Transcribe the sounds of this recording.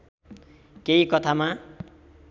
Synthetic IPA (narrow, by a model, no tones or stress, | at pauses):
keikʌt̪ʰama